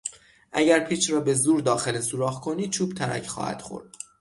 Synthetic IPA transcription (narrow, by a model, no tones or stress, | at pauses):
ʔæɟæɾpʰiːt͡ʃɾɒːbe̞zuːɾd̪ɒːxe̞lesuːɾɒːɣkʰo̞niːd̪̚t͡ʃʰuːbt̪ʰæɾæ̰cʰχɒ̰ːhæ̰d̪̥xo̰ɾd̪̥̚